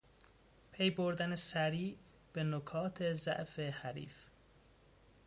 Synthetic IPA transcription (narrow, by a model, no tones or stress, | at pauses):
pʰe̞jboɾd̪ænesæɾiː | b̥enokʰɒːt̪ʰe̞zæ̰ʔfehæɾḭːf